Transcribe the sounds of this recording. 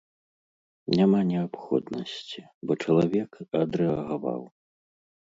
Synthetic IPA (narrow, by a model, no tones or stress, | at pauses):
nʲamanʲɛapxɔ̰d̪nɐsʲt͡sʲi | bɔt͡ʂɐlˠavʲɛkɐd̪ɾɛɐɣava̰w